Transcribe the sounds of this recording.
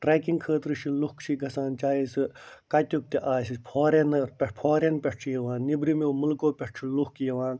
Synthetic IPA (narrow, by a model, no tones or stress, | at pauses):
ʈɾaːjkiŋɡkʰəːt̪ɾɨʃʰilukt͡ʃʰiɡɐsaːnt͡ʃaːjisɨkɐt̪ʲuk̚t̪iʔaːsipʰoːɾenɐpepʰaːɾenpʲeʈʈʰijɐʋãːnnːibɾimemulkoːpʲeʈt͡ʃʰiluhkjɐʋãːn